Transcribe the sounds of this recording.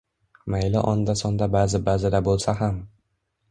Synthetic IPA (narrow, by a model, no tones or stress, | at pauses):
majlɪʔɒnd̪asɒnd̪abaːzɪbazɪd̪abolˠsaɦam